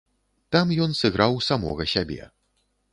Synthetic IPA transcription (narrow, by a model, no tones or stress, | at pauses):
t̪amjɔnsɨɣɾawsamɔ̰ɣɐsʲabʲɛ̰